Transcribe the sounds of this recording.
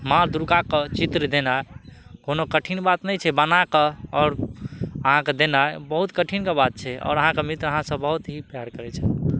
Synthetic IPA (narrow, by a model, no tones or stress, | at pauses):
maɾd̪ɾukakət͡ʃit̪ɾd̪enakonokəʈʰinbat̪nɛjt͡ʃʰɛbənakəɔːɾəɦãked̪enaebəɦut̪kəʈʰinkebat̪̚t͡ʃʰɛɔ̰ːɾəɦãkemit̪ɾəɦãsə̃bəɦut̪ɦipjaɾkəɾɛt͡ʃʰɛ